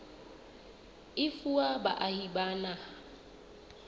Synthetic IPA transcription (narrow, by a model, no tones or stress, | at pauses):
ɪfuaba̰ʔahibana